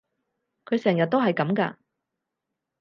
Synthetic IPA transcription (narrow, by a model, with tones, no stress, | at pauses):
kʰɵ˨˧ɥsɛː˨˩ŋjɐ˨t̚t̪o˥whɐ˨jkɐ˨˥mkɐ̰˧